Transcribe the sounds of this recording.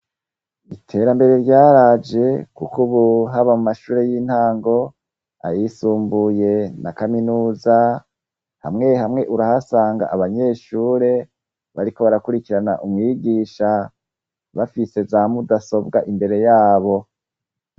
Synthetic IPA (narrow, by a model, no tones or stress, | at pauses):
itʰe̞ːɾambe̞ɾe̞ɾɟaːɾad͡ʒe̞kukuβuɦaβamumaʃuːɾe̞jiːn̥haːŋɡo̞ | a̰jisuːmbuje̞na̰kaminuːza | ha̰mŋe̞ɦamŋe̞ʔuɾahasaːŋɡa̰ʔaβaɲe̞ːʃuːɾe̞ | βaɾiko̞βaɾakuɾikiɾana̰ʔumŋiːɡiːʃa | βafise̞zamudaso̞bɡaʔimbe̞ɾe̞jaːβo̞